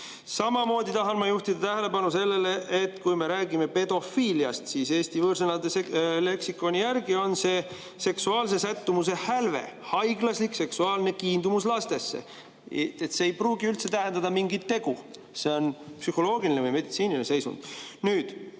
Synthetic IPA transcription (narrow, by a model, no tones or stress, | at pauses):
sɑmɑmo̞ːd̪ʲit̪ɑɦɑnmɑjuht̪id̪̥ɑt̪æɦele̞pɑnuse̞lːe̞le̞ʔet̪kujme̞ɾæːɡime̞pe̞d̪̥o̞fiːliɑst̪sise̞ːst̪ivɤːɾsenɑd̪esele̞ksikːˑo̞nʲijærɡio̞nse̞ː | se̞ksuɑːls̬e̞sæt̪ːumus̬e̞hælve̞̰hɑjɡlɑslikse̞ksuɑːlne̞kiːnd̪umuslɑst̪e̞sːḛ | et̪seːjpruːɡiylt̪se̞t̪æɦend̪ɑd̪ɑmiŋɡit̪ːe̞ɡ̥u | se̞o̞npsyho̞lo̞ːɡilinevjme̞d̪it̪siːninese̞jsṵnd̪̥nyːd̪̥